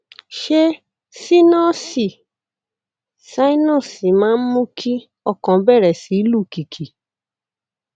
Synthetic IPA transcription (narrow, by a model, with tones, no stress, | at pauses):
ʃe˦ | si˦nɔ̃˦˨si˨ | sa˦i˦nɔ̃˦˨si˨mãː˨˦mũ˦kʰi˦ | ɔ˦˨kɔ̃˨bɛ˦˨ɾɛ˨si˨˦lu˦˨ki˨kʰi˨